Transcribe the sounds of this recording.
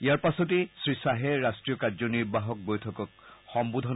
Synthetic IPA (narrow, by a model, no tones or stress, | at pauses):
ijaɹpasɔt̬esɹisaɦɛɹastɹijɔkazɔniɹbaɦɔk̚bojtʰɔkɔk̚xɔmbud̪ʱɔn